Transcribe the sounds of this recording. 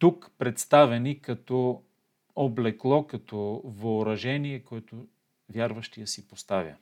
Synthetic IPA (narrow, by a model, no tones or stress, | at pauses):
t̪ukpɾɛt̪st̪avɛnikɐt̪ɔ | oblɛklˠɔkɐt̪ɔvɐʊɾɐʒɛniɛkoɛt̪ʊ | vʲjaɾvɐʃt̪ijəsipost̪avʲjə̰